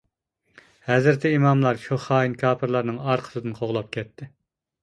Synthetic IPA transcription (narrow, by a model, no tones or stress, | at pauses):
hɛzɪɾt̪ʰɛimɑmlˠɑɾʃuχɑːinkʰɑːpʰɨɾlˠɑɾnɨŋɑɾqʰə̥sɨd̪ɨnqʰoʁlˠɑp̚kʲʰɛt̪ʰːɪ